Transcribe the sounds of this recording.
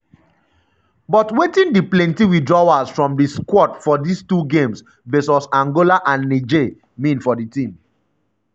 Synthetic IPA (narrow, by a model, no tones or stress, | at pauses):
bɔtwetĩndiplɛ̃ntiwidɹawasfɹɔ̃mdiskwɔtfɔdistuɡẽms | vesɔsãŋɡolaʔãnːid͡ʒe | mĩnfɔditĩm